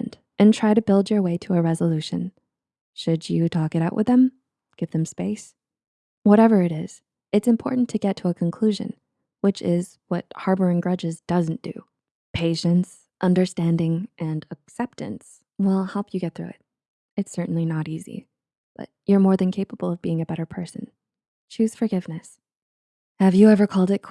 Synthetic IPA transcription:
nd̥ | ʔɨ̃ntʰɹ̥aɪɾɨbɪlˠd͡ʒə˞weɪɾəːɹɛzəlʉʃɨ̰̃n | ʃɨd͡ʒɨtʰɔkɨɾaʊʔwʔɨ̰ðɨ̃m | ɡ̥ɪvðɨ̃mspeɪs | wʌɾɛvə˞ɨɾɪz̥ | ɨtsɨ̃mpʰɔ̰ɹʔn̩tʰɨɡɛtʰəːkʰə̃nkʰl̥ʉʒɨ̰̃n | wɨt͡ʃɪz | wʌ̰t̚hɑɹbə˞ɪ̃ŋɡɹʌd͡ʒɨzd̥ʌzn̩d̥ɨ̰ | pʰeɪʃɨ̃ns | ʔʌ̃ndə˞stæ̃ndɪ̃ŋʔɨ̃nəksɛp̚tɨ̰̃ns | wɪlˠhɛlˠpʰjɨɡɛt̪̚θɹʉɪ̰t̚ | ɨtsɜ˞ʔn̩linəɾizḭ | b̥ʌ̰t͡ʃ̚jə˞mɔɹðɨ̃nkʰeɪpəbl̩ˠʌvbiɪ̃ŋɨbɛɾə˞pʰɜ˞sɨ̰̃n | t͡ʃʰʉz̥fə˞ɡɪvnɨs | hɨvjɨɛvə˞kʰɔlˠdɨt̚kʰ

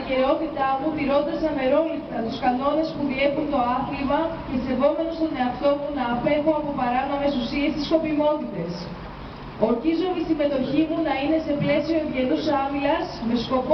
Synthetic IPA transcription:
ce̞ɾo̞t̪it̪ɐmut̪iɾo̞t̪ɐsɐne̞ɾo̞lipt̪ɐt̪uskɐno̞ne̞spuðie̞punt̪o̞ɐθlimɐcese̞vo̞me̞no̞st̪o̞ne̞ɐft̪o̞munɐːpe̞xoɐpo̞pɐɾɐno̞me̞susie̞st̪isko̞pimo̞t̪it̪e̞s | o̞ɾçizomisime̞t̪o̞çimunɐine̞se̞ple̞sio̞iðʝe̞nusɐmilɐsme̞sko̞p

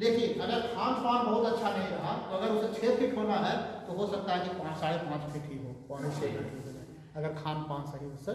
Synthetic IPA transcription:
ɗ̪eːkʰieʔɐɡəɾkʰaːnpaːnbɔɦʊt̪ɐtːʃʰanɐɦĩɾɐɦat̪oɐɡəɾʊset͡ɕʰeːpʰiʈʰonaɦɛt̪oɦosɐk̚t̪aɦɛkipãːt͡ʃsaːɽepãːt͡ʃpʰiʈʰiɦoːɔet͡ʃʰeːkeʈʰiɦoːd̪aɦ | ɐɡəɾkʰaːnpãːnsaɽiʊsə

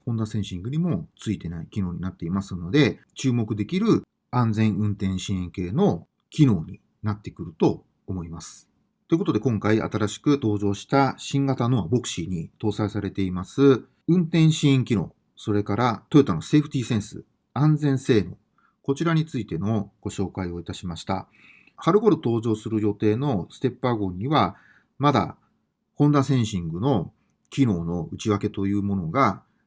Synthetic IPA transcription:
hõ̞nːasẽɰ̃ɕĩŋɡɯ̟ɲ̟imo̞t͡sɨit̪e̞naikʲino̞ːɲ̟inat̪ːe̞imasɨno̞d̪e̞ | t͡ɕɨːmo̞kɯ̟d̪e̞kʲiɾɯ̟ | ãnd͡zẽ̞ɰ̃ɯ̟̃nt̪ẽ̞ɰ̃ɕĩĩŋke̞ːno̞ | kʲino̞ːɲ̟i | nat̪ːe̞kɯ̟ɾɯ̟t̪o̞ː | mo̞imasɨ̥ | t̪o̞eko̞t̪o̞d̪e̞kõ̞ŋkaia̰t̪aɾaɕi̥kɯ̟t̪o̞ːʑo̞ːɕi̥t̪aɕĩŋɡat̪ano̞βabo̞kɯ̟̥ɕiɲ̟it̪o̞ːsaisaɾe̞t̪e̞imasɨ | ɯ̟̃nt̪ẽ̞ɰ̃ɕĩĩŋkʲino̞̰ː | so̞ɾe̞kaɾat̪o̞et̪ano̞se̞ɸɯ̟t̪ʲiːsẽ̞ɰ̃sɨ̰ | ãnd͡zẽ̞ɰ̃se̞ːno̞̰ | ko̞t͡ɕiɾaɲ̟it͡sɨit̪e̞no̞ɡ̥o̞ɕo̞ːkaio̞it̪aɕimaɕi̥t̪a̰ | haɾɯ̟ɡo̞ɾɯ̟t̪o̞ːʑo̞ːsɨɾɯ̟jo̞t̪e̞ːno̞sɨ̥t̪e̞pːaɡõ̞ɲ̟ːiβa | mad̪a̰ | hõ̞nd̪ãsẽ̞ɰ̃ɕĩŋɡɯ̟no̞ | kʲino̞ːno̞ɯ̟t͡ɕiβake̞t̪o̞jɯ̟ːmo̞no̞ɡa

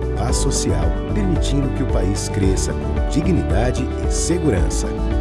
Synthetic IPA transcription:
asosiaw | peɾmit͡ʃĩnd̪ʊkɪʊpaiskɾesɐkõ̰d͡ʒiɡnid̪ad͡ʒɪɪseɡuɾɐ̰̃sɐ̰

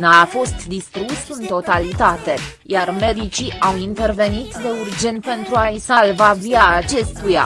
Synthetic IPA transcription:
naːfo̞st̪d̪ist̪ɾusɨnt̪o̞t̪alit̪at̪e̞ | jarme̞d̪it͡ʃiawint̪e̞rve̞nit̪d̪e̞urd͡ʒe̞nt̪̚pe̞nt̪ɾuaisalvaviaːt͡ʃe̞st̪uja̰

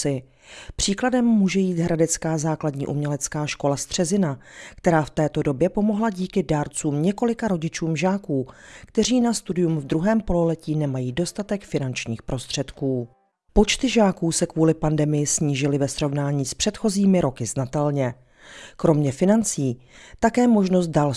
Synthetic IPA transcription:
ɪ | pr̝̥iːkladɛmːuːʒɛjiːt̪ɦɾadɛt͡skaːzaːkladɲḭːʔumɲɛlɛt͡skaːʃko̞last̪r̝̥ɛzɪnakt̪ɛɾaːft̪ɛːt̪o̞do̞bjɛpo̞mo̞ɦlaɟiːkɪdaɾt͡suːmɲɛko̞lɪkaɾo̞ɟɪt͡ʃuːmʒaːkuːkt̪ɛr̝iːnast̪udɪjumvd̪ɾuɦɛːmpo̞lolɛciːnɛmajiːdo̞st̪at̪ɛkfɪnant͡ʃɲiːxpɾo̞st̪r̝̥ɛt̪kuː | po̞t͡ʃt̪ɪʒaːkuːsɛkvuːlɪpandɛmɪjɪsɲiːʒɪlɪvɛsɾo̞vnaːɲiːspr̝̥ɛt̪xo̞ziːmɪɾo̞kɪznat̪ɛlɲɛ | kɾo̞mɲɛfɪnant͡siː | t̪akɛːmo̞ʒno̞s̬t̪̚dal

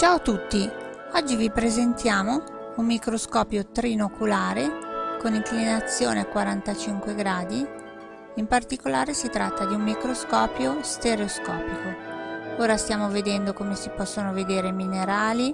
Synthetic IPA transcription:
t͡ʃaːot̪ut̪ːi | ɔd͡ʒːivipɾezent̪jaːmo | umːikɾoskɔːpjot̪ɾinokʰulaːɾekoniŋklinat̪sːjoːneakwaɾant̪at͡ʃiŋkweɡɾaːd̪i | impart̪ikolaːɾesit̪ɾat̪ːad̪iumːikɾoskɔːpjost̪eɾeoskɔːpikooːɾast̪jaːmoved̪ɛnd̪okomesipɔsːonoved̪eːɾemineɾaːli

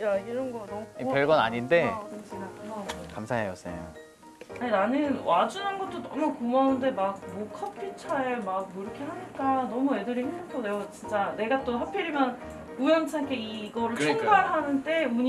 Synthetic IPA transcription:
jaiɾʌnɡʌnipjʌɭɡʌna̰ɲinde̞kiakamsʰaɦejʌs͈ḛjo̰ | ainanɯnwad͡ʑunɦanɡʌt͈onʌmukomaɯnde̞mak̚mokʰʌpʰit͡ɕʰaemak̚moiɾɯkʰe̞ɦaɲik͈anʌmue̞dɯɾiɦemdɯnkʰonejot͡ɕint͡ɕ͈ane̞ɡat͈oɦapʰeɾimjʌn | ujʌnt͡ɕʰaŋkʰeiɡʌɾɯɭt͡ɕʰoŋɡaɭɦanɯnde̞uɲ

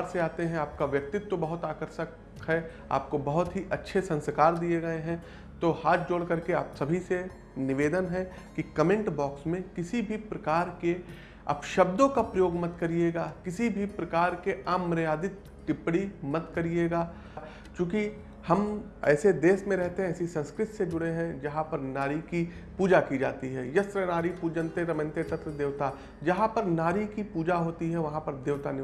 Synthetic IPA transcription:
ɾseaːt̪eɦɛ̃aːp̚kaʋjɐk̚t̪ɪt̪ːobɐɦʊt̪aːkəɾʃək | ɦɛ | a̰ːp̚kobɐɦʊt̪ɦiʔɐtːʃʰesɐ̃nskaːɾd̪ieɡɐeɦɛ̃ | t̪ohaːt̪ʰd͡ʒoːɽkɐɾkeaːpsɐbʱise | nɪʋeːd̪ənɦɛ | kikɐmẽɳʈbɔːksmẽkɪsibʱipɾɐkaːɾke | a̰pʃɐb̚d̪õkapɾɐjoːɡmɐt̪kɐɾieːɡaːkɪsibʱipɾɐkaːɾkeaːmɾjaːd̪ɪt̪̚ | ʈɪpɽimɐt̪kɐɾieːɡaː | t͡ʃõːki | hɐm | ɛ̰ːsed̪eːsmẽɾɛɦt̪eɦɛ̃ɛːsisɐ̃nskɾɪt̪sed͡ʒʊɽeɦɛ̃d͡ʒɐɦãpɐɾnaːɾikipuːd͡ʒakid͡ʒaːt̪iɦɛːjɐst̪ɾənaːɾipuːd͡ʒə̃nt̪eɾɐmə̃nt̪et̪ɐt̪ɾəd̪eːʋt̪a | d͡ʒɐɦãpɐɾnaːɾikipuːd͡ʒaɦoːt̪iɦɛʋɐɦãpɐɾd̪eːʋt̪anɪ

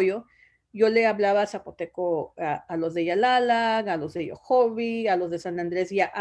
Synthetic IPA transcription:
jo | jo̞le̞aβlaβasapot̪ekoaalo̞zðeʝalalaŋalo̞zðejo̰xoβialo̞zðesanand̪ɾe̞sjaʔ

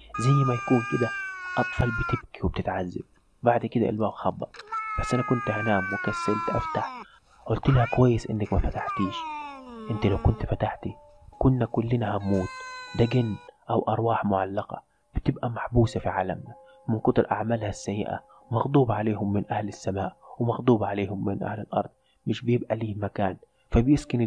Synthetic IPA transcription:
zæjːmæjækuːnked̪æʔɑt̪ˤfɑlbɪt̪ɪb̚kiweb̚t̪ɪt̪ʕazːa̰b̚ | baʕd̪kɪd̪æʔɪ̰lbæːbxɑbːɑ̰ɾˤbæsːʔænækʊnt̪hænæːmwekæsːalt̪ʔæft̪aħ | ʔolt̪lhækowæjːɪsʔɪ̰nːækmæfæt̪aħt̪iːʃʔɪnt̪ilæwkʊnt̪fæt̪aħt̪i | kʊnːækʊlːɪnæhæmuːt̪d̪æɡɪnːʔawʔɑɾˤwɑːħmʊʕalːɑqɑ̰ | b̥ɪt̪ɪbʔæmaħbuːsafiʕaːlamna | mɪnqʊt̪ˤʊɾʔa̰ʕmaːlhæsːæjːɪ̰ʔa̰ | wmɑɣd̪ˤuːbɑʕaleːhʊmːɪnʔæhlɪsːamaːʔwɪmɑɣd̪ˤuːbʕaleːhʊmːɪnʔa̰hlɪlʔɑ̰ɾˤd̪̥̚ˤ | mɪʃbɪjɪbʔæliːmækaːn | fæbjɪskɪn

